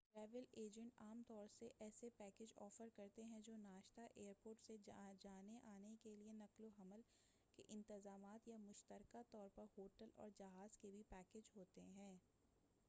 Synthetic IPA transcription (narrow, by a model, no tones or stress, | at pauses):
ʈɾɛːʋəleːd͡ʒə̃ɳʈaːmt̪ɔːɾseʔɛːsepɛːkeːd͡ʒɔːfəɾkɐɾt̪eɦɛ̃d͡ʒoːnaːʃt̪aʔeːəɾpoːɾʈsed͡ʒaːneʔaːnekelienɐkloɦɐməl | kḛʔɪ̃nt̪ɪzaːmaːt̪jamʊʃt̪əɾkat̪ɔːɾpɐɾɦoːʈəlɔ̰ːɾd͡ʒɐɦaːzkebʱipɛːkeːd͡ʒɦoːt̪eɦɛ̃ː